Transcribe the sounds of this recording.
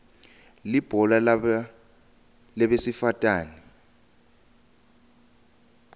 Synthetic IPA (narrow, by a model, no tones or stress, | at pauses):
lib̥ʱɔla | lɛɓesifatʼaːni